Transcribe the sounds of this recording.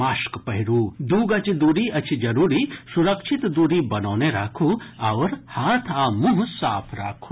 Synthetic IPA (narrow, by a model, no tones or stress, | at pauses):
aːʃkpɐɦiɾuːd̪uːɡɐt͡ʃid̪uɾiʔɐt͡ʃʰid͡ʒɐɾuːɾisuɾɐkʃʰit̪d̪uːɾiːbɐnoːneɾaːkʰuɐʋɾhaːt̪ʰaːmuɦsaːpʰɾa̰ːkʰu̥